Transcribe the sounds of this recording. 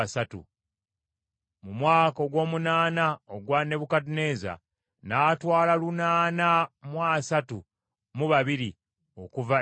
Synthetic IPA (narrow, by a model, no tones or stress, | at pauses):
satṵ | mumwaːkoɡwo̞ːmunaːnaoɡwane̞βukadune̞za̰ | naːtwaːlalunaːnamwasatu | muβaβiɾi | o̞kuva